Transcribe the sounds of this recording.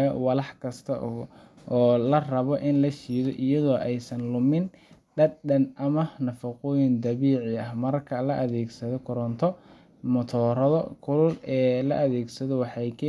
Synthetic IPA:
wɑlɑħkʰɐst̪ʰɐʔʊ | ɔːlɐrɐβɔʔɪnlɐʃiːðɔʔɪjɐðɔːʔɛjsɐnlʊmɪn | ɖɐd̪ɖɐnʔɐmɐnɐfɐqʊːjɪnd̪ɐβiːʕɪɐhmɐrkʰɐlɐʔɐðɛːɡsɐðɔkʰʊɾɔnt̪ʰɔ | mʊt̪ʰɔːɾɐðɔkʰʊlʊlɛːlɐʔɐðɛːɡsɐðɔwɑħɑjkʰɐ

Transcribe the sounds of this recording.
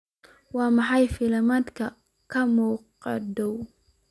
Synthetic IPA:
wɑːmɑħɑjfɪlɐmaːd̪kʰɐ | kʰɐmuːqɑ̰d̪ɔw

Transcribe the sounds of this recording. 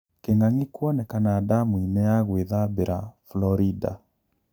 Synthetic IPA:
keŋaŋikwɔnɛkanaːdamuinɛaɣweðabeɾaflɔɾida̰

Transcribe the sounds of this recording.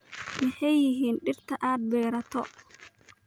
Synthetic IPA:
mɑħɑjːɪɦiːnɖɪrt̪ʰɐʔaːd̪̚bɛːɾɐt̪ʰɔ

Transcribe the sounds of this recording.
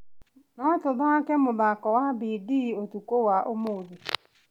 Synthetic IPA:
nɔ̃tʊbakɛmʊ̃bakɔwabidɪotukowaʔomoobi

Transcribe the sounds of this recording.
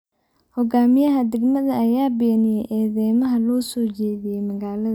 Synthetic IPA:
hɔɡaːmɪjɐɦɐd̪ɛɡmɐðɐɐjaːbɛːnɪjɛjʔɛːðɛːmɐɦɐlɔːsɔːt͡ʃɛːðɪjɛjmɐɣaːlɐðɐ

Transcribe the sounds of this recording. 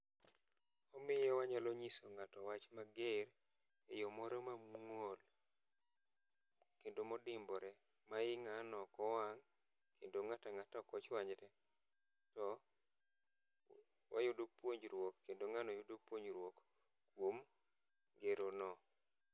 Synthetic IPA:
ɔmɪjɛwaɲalɔɲisoŋatɔwat͡ʃmaɡeɾ | ejɔmɔɾɔmamŋol | kendomɔdɪmbɔɾɛ | maɪŋanɔkɔwaŋ | kʰendoŋataŋatakɔt͡ʃwaɲɾɛ | tɔ | wʔa̰jʊdopwoɲd͡ʒɾwokːendoŋanɔjʊdopwoɲd͡ʒɾwok | kwom | ɡeɾonɔ

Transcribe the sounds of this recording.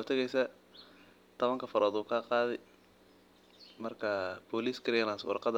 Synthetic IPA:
t̪ʰɐɣɛjsɐ | t̪ʰɔβɐŋkʰɐfɐɾʔɔːd̪uːkʰaːqɑːðɛj | mɐrkʰɐbɔliːskʰɪɾɛlanswɑ̰rqɑðɐ

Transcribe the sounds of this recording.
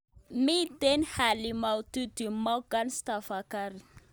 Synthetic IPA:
mit̪enihalimawt̪ud̪imawɡanist̪afakaɾi

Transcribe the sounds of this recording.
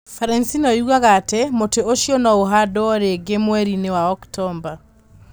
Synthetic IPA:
faɾɛnsinɔjuɣaɣatɛmoteoʃjɔnɔoɦadɔɔɾeɡemwɛɾinewaɔktʰɔmba

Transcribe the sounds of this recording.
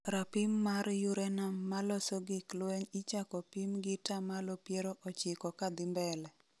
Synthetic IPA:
ɾapimːaɾjuɾɛnamːalɔsɔɡɪklweɲit͡ʃakɔpimɡɪtamalɔpjeɾoʔɔt͡ʃɪkɔkad̪ɪmbɛlɛ

